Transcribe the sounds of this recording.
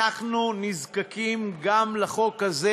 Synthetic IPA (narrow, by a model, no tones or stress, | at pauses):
aχnunizkakimɡamleχo̞kaze